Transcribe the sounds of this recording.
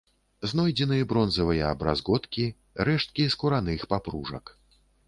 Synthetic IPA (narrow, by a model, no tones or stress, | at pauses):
znɔjd͡zʲɛnɨjɐbɾɔnzɐvɨjɐːbɾa̰zɣɔt̪kʲi | ɾɛʂt̪̚kʲiskuɾan̪ɨxpapɾuʐɐ̰k